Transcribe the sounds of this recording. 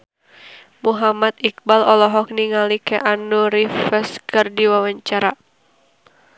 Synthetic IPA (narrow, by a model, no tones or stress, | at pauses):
muɦamat̪ik̚balɔlɔɦɔk̚niŋalikɛʔanuɾifɛskərdiwawaɲt͡ʃaɾa